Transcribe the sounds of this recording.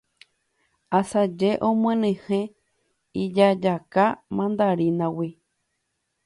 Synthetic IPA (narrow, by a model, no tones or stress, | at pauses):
asad͡ʒeʔõmwẽnẽhẽ | id͡ʒad͡ʒakamãnd̪aɾinãwi